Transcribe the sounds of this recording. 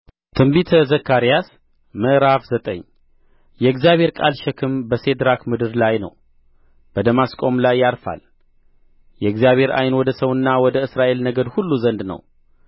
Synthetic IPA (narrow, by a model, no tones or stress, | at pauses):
t̪ʰɨmbit̪ʰəzəkʰːaɾijas | məʔɾafzət̪ʼə̰ɲː | jɛɨɡzjaβʱe̞ɾkʼalʃɛkʰɨmbəse̞d̪ɾakmɨd̪ɨɾlajnə̰w | b̥əd̪əmaskʼo̞mlajːaɾfa̰l | jɛɨɡzijaβhe̞ɾa̰jnwɔd̪əsəwɨnːawɔd̪əɨsɾaʔe̞lnəɡəd̪hulːuzənd̪nə̰w